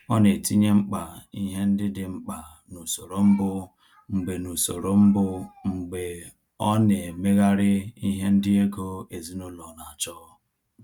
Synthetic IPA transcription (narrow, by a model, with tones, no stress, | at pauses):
ɔ˦ne˨ti˦ɲe˦ŋ͡m̩˦k͡pa˨i˦ɦe˦n̩˦dɪ˦dɪ˨ŋ͡m̩˦k͡pa˨ | nu˨so˨ɾo˨m̩˦bʊ˦ | ŋ͡m̩˨ɡ͡be˨nu˨so˨ɾo˨m̩˦bʊ˦ŋ͡m̩˨ɡ͡be˨ | ɔ˦ne˨e˨me˦ɣa˦ɾɪ˦i˦ɦe˦n̩˦dɪ˦e˦ɡo˦e˨zi˦nʊ˦lɔ˨na˨a˨t͡ʃɔ˦